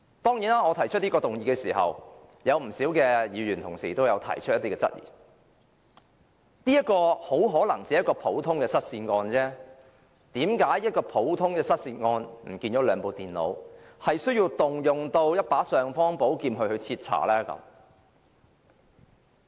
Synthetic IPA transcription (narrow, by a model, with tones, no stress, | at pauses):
t̪ɔː˥ŋji˨˥naː˥ŋɔː˨˧t̪ʰɐ˨˩jt͡ʃʰɵ˥t̚ni˥kɔː˧t̪ʊ˨ŋjiː˨˥kɛː˧siː˨˩hɐ̰˨wjɐ˨˧wm̩˨˩siː˨˥wkɛː˧jiː˨˧ɥyː˨˩nt̪ʰʊ̰˨˩ŋsiː˨˩t̪o˥wjɐ˨˧wt̪ʰɐ̰˨˩jt͡ʃʰɵ˥t̚jɐ˥t̪i˥kɛː˧t͡sɐ̰˥t̚jḭː˨˩ | niː˥jɐ˥t̚kːɔː˧ho˨˥wɦɔː˨˥lɐ˨˩ŋt͡siː˨˥jɐ˥t̚kɔː˧pʰo˨˥wt̪ʰʊ˥ŋkɛː˧sɐ˥t̚siː˧nŋɔː˧nt͡sɛː˥ | t̪iː˨˥mkaː˨˥jːɐ˥t̚kɔː˧pʰo˨˥wt̪ʰʊ˥ŋkɛː˧sɐ˥t̚siː˧nŋɔː˧nm̩˨˩kiː˧nt͡ʃɔː˨˥lœː˨˧ŋpo˨wt̪iː˨˩nlo̰˨˧w | hɐ˨jsɵ˥ɥjiː˧wt̪ʊ˨ŋjʊ˨ŋt̪o˧wjɐ˥t̚paː˨˥sœː˨˧ŋfɔː˥ŋpo˨˥wkiː˧mɦɵ˧ɥhɵ˧ɥt͡sʰiː˧t̚t͡sʰa̰ː˨˩lɛː˥kɐ̰˨˥m